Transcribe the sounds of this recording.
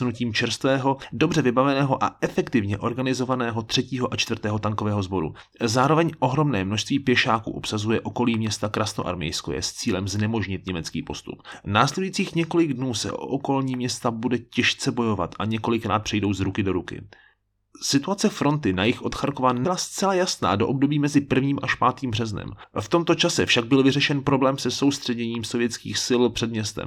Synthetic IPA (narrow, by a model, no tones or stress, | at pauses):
nuciːmt͡ʃɛɾst̪vɛːɦo̞do̞br̝ɛvɪbavɛnɛːɦo̞ʔa̰ʔɛfɛkt̪ɪvɲɛʔo̞ɾɡanɪzo̞vanɛːɦo̞t̪r̥ɛciːɦoʔat͡ʃt̪vr̩t̪ɛːɦo̞t̪aŋko̞vɛːɦo̞zbo̞ɾṵ | zaːɾo̞vɛɲʔo̞ɦɾo̞mnɛːmnoʃst̪viːpjɛʃaːkṵʔopsazujɛʔo̞ko̞liːmɲɛst̪akɾasno̰ʔa̰ɾmɛ̰jsko̰jɛ̰st͡siːlɛmznɛmo̞ʒɲɪt̪̚ɲɛmɛt͡skḭːpo̞st̪ṵpnaːslɛdujiːt͡siːxɲɛko̞lɪɡdnuːsɛ̰ʔo̰ʔoko̞lɲiːmɲɛst̪abudɛcɛʃt͡sɛbo̞jo̞va̰t̪ʔaɲɛko̞lɪkɾa̰ːt̪̚pr̝̥ɛjdo̞wzɾukɪdo̞ɾukɪ̰ | sɪt̪uat͡sɛfɾo̞nt̪ɪnajɪxʔot̪xaɾkovanɪlast͡sɛlajasna̰ːdo̞ʔob̚do̞biːmɛzɪpr̩vɲiːmʔaʃpaːt̪iːmbrɛznɛ̰m | ft̪o̞mt̪o̞t͡ʃasɛfʃaɡ̚bɪlvɪrɛʃɛnpɾo̞blɛːmsɛso̞wst̪r̝̥ɛɲɛɲiːmsovjɛt͡skḭːxsɪlpr̥ɛdmɲɛst̪ɛ̰m